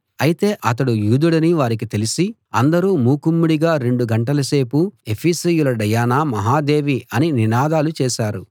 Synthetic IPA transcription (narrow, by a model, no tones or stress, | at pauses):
ɐjit̪e̞ːʔɐt̪ɐɽujuːd̪uɽɐniʋaːɾik̬it̪e̞lisi | ɐnd̪ɐɾuːmuːkumːuɽiɡaːɾe̞ɳɖuɡɐɳʈɐlɐse̞ːpue̞pʰiːsijulɐɖɐjaːnaːmɐɦaːd̪e̞ːʋiɐnininaːd̪aːlut͡ʃɛːʃaːɾṵ